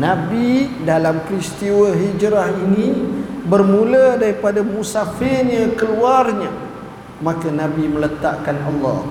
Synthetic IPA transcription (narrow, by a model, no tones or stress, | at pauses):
nãbidalampɾist̪iwəɦid͡ʒɾahinĩbərmũlədaɾipadamũsafɪɲãkəluarɲã | mãkanãbimələt̪aʔkanɑlːɑh